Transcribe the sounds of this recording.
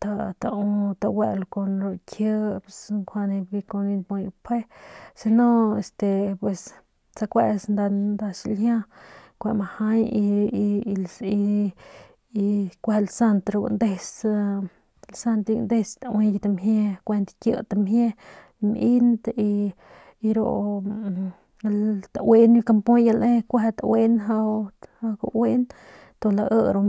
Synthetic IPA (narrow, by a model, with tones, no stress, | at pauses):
t̪a˧t̪a˧u˧t̪a˧we˧lko˧nɾo˧kʰjə˦sŋkʰʷa˧ne˧ɡi˧ko˧ni˧nbo˧jpʰe˦si˧no˦e˨st̪e˨pwe˨s | t͡sa˧kʷe˧snd̪a˧nd̪a˧ʃi˧ljã˦kʷe˧ma˧ha˦ji˧li˧ | i˧kʷe˧lsa˦˧nt̪ɾo˧ɡṵ˧nd̪e˧s | lsa˧nt̪i˧nd̪e˧st̪awe˧jt̪a˧mɦje˧kʷe˧nt̪kjə̰˧t̪a˧mhje˦ | mʔi˦nd̪i˧ | i˧ɾo̰˧˨ | lt̪a˨we˦n˧ka˧mpõ˦ja˧lʔẽ˦kʷe˧t̪a˨we˦nɦa˧a˧ko̰˧we˦n | t̪o˧la˧ʔə˧ɾo˧